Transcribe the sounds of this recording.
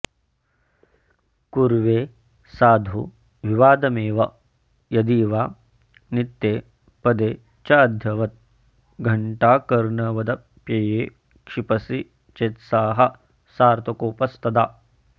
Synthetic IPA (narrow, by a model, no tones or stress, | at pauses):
kuɾʋeː | saːd̪ʱu | ʋiʋaːd̪ɐmeːʋɐ | jɐd̪iːʋaː | nit̪ːjeː | pɐd̪eː | t͡ʃaːd̪ʱjɐʋɐt̪̚ | ɡʱɐɳʈaːkɐɾɳɐʋɐd̪ɐ | pjɐjeː | kʂipɐsi | t͡ʃeːt̪saːɦɐ | saːɾt̪ɐkoːpɐst̪ɐd̪aː